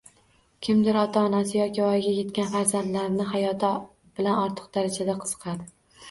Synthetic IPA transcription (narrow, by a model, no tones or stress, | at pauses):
kʲʰɪmd̪ɪɾɒt̪ʰaːnasɪjɒkʲɪɒjɡʲaje̞t̪kʲanfaɾzand̪laɾnɪɦajɒt̪ʰ | b̥ɪlanɒɾt̪ʰɨ̥q̚d̪aɾad͡ʒad̪aqʰɨ̥z̥ɨ̥qʰɑd̪ɪ